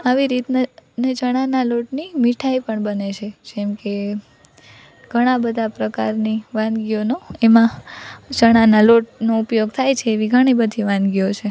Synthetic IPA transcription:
aʋiɾit̪nened͡ʒəɽ̃analoʈnimiʈʰaipəɳbənet͡ʃʰed͡ʒɛmke | ɡ̥ʱəɽ̃ãbəd̪ʱapɾəkaɾniʋãnd̪ɡionoemãt͡ʃəɽ̃analoʈnoupjoɡt̪ʰajt͡ʃʰeːʋiɡʱəɽ̃ibəd̪ʱiʋãnd̪ɡijot͡ʃʰe

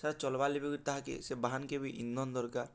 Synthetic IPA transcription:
saɾat͡ʃɔlbalibeɡuɾt̪aɦakḛsebaɦankebiʔinːɔnd̪ɔɾkaɾ

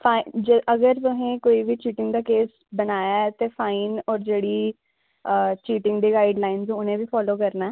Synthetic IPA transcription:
pʰaːd͡ʒeʔəɡəɾt̪ʊɦẽːkoːiːʋiːt͡ʃiːʈɪ̃ŋɡd̪aːkeːs | bənaːjaːt̪eːfʰaːiːnɔːɾd͡ʒeːɽiː | t͡ʃiːʈɪ̃ŋɡd̪iːɡaːɪɖlaːɪnzõːʊnẽːbiːpʰɔːloːkəɾnaː

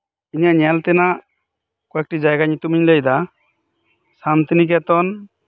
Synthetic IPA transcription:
iɲaʔɲɛlt̪ɛnaʔ | kɔɛk̚ʈid͡ʒajɡaɲt̪umiɲləjd̪a | sant̪inik̬ɛt̪ɔn

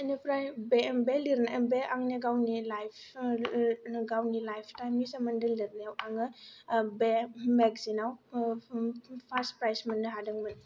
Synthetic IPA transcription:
anipɾajbebeliɾnabeaŋniɡawnilajpʰ | ɡawnilajpʰtajmnisamandɯliɾnajawaŋɯbemeɡzinaw | pʰaspɾajsmanːɯɦadɯŋmɯn

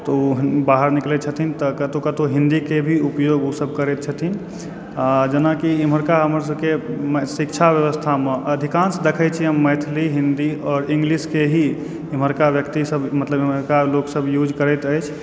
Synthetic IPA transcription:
t̪ɔubaɦəɾniklɛt̪̚t͡ʃʰət̪ʰint̪əkət̪okət̪oɦĩnd̪ikebʱiupjoɡusəb̚ʱkəɾɛt̪̚t͡ʃʰət̪ʰin | ad͡ʒənakiiməɾkaɦəməɾsəbkemsikt͡ʃʰabjəʋəst̪ʰamẽʔəd̪ʱikansd̪ekʰət͡ʃʰiɦəmːəjt̪ʰliɦĩnd̪iɔːɾĩŋɡliskeɦi | im̤əɾkabjəkt̪isəbmət̪ləbiməɾkaloksəbjud͡ʒkəɾɛt̪əjt͡ʃʰ

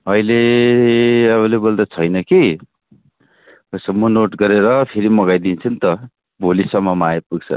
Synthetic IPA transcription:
ʌjle | ʌβʌlebold̪ʌt͡sʰʌjnʌki | ʌsʌmːʌnoʈɡʌɾeɾʌpʰeɾimʌɡajd̪int͡sʰʌnt̪ʌ | bʱolisʌmːʌmajepuɡt͡sʰʌ̰

